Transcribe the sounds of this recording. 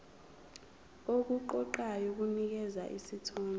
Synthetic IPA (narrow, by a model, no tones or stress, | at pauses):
ok̬ʼuǃɔǃajok̬unik̬ɛza̰ʔḭsitʰɔːnɛ